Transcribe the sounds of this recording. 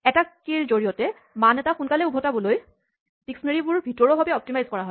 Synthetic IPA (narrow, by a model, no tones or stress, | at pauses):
ɛtakiɹzoɹijɔtɛ | manɛtaxunkalɛubʱɔtabɔloj | siksɔneɹibʊɹbʱitɔɹɔbʱabɛɔp̚timajzkɔɹaɦɔj